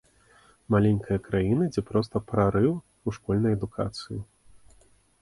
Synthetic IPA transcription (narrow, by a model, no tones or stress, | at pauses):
malʲɛnʲkʰɐjɐkɾajinɨd͡zʲɛpɾɔst̪ɐpɾaɾɨw | uʂkɔlʲnɐjɛd̪ukʰa̰t̪sɨji